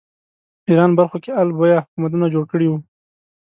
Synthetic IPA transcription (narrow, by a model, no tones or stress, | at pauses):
iɾɑnbaɾxokealbojahʊkumat̪̬unad͡ʒoɽkəɽiwu